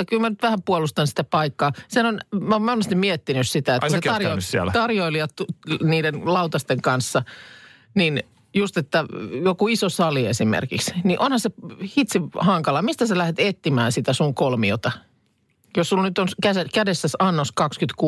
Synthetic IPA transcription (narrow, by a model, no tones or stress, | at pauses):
ɑkylmænyt̪ʋæhæmpuolust̪ɑnsi̥t̪æpɑikːɑːsehænonmæomonːest̪immiɛt̪ːinyssit̪æet̪ɑrjossḭlt̪ɑrjoiliɑtniːdenlɑut̪ɑst̪eŋkɑnsːɑ | nin | just̪et̪ːæjokuisosɑliesimḛrkḭksniʔonhɑsehit̪sihɑŋkɑlɑmist̪æselæhet̪et̪ːimæːnsit̪æsuŋkolmio̰t̪ɑ | jossulnyt̪onkæsækædesːæsɑnːoskɑkskyt̪kuː